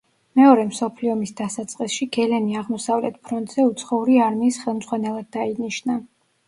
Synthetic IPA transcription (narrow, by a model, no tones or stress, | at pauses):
mɛɔɾɛmsɔpʰliɔmisd̪asat̪sʼqʼisʃiɡ̥ɛlɛniaʁmɔsavlɛt̪̚ʰpʰɾɔnt̪ʼz̥ɛut̪sʰχɔuɾiaɾmiːsχɛlˠmd̪zʁwanɛlˠad̪ːainiʃna